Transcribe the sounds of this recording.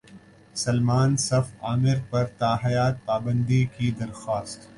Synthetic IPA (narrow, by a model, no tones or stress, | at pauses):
sɐlmaːnsɐfaːmɪɾpɐɾt̪aːɦɐjaːt̪̚paːbə̃nd̪ikid̪ɐɾxaːst̪